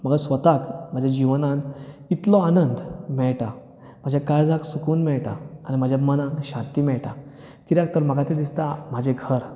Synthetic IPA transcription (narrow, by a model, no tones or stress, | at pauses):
məɡəsʋət̪akm̤ad͡ʑʱjad͡ʑiʋnãnt̪it̪lɔanənd̪mɛɭʈa | m̤ad͡ʑʱjakajd͡zãksukuːnmɛɭʈaañim̤ad͡ʑʱjamənãŋkɕãnt̪iːmɛɭʈa | kiɾãk̚t̪əɾməɡat̪ẽd̪ist̪am̤ad͡ʑʱeɡʱəɾ